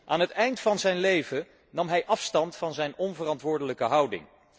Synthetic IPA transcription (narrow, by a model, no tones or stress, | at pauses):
ʔaːnɦətɛjntfɑnzɛjnlejvə | nɑmɦɛjʔɑfstɑntfɑnzɛjnɔnvərɑntʋʊːɹdələkəɦʌwdɪ̰ŋ